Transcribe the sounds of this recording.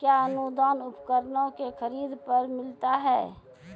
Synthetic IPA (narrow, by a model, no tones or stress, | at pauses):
kjaənud̪aːnʊpkəɾnõkexʰəɾiːd̪pəɾmɪlt̪aɦɛː